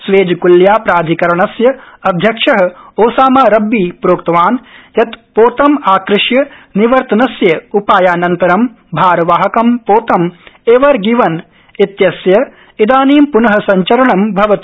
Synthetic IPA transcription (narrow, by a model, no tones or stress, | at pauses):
sʋeːd͡ʒɐkuljaːpɾaːd̪ʱikɐɾɐɳɐsjɐɐd̪ʱjɐkʂɐɦɐ̆oːsaːmaːɾɐbːiːpɾoːkt̪ɐʋaːnjɐt̪poːt̪ɐmaːkɾɪʂjɐniʋɐɾt̪ɐnɐsjɐupaːjaːnɐnt̪ɐɾɐm | bʱaːɾɐʋaːɦɐkɐmpoːt̪ɐmeːʋɐɾɡiːʋɐn | it̪jɐsjɐ | id̪aːniːmpunɐɦɐ̆sɐɲt͡ʃɐɾɐɳɐmbʱɐʋɐt̪i